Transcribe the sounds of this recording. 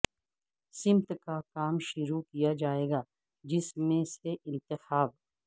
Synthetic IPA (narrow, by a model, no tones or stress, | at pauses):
sɪmt̪kakaːmʃʊɾukijad͡ʒaːeːɡaː | d͡ʒɪsmẽseʔɪ̃nt̪ɪxaːb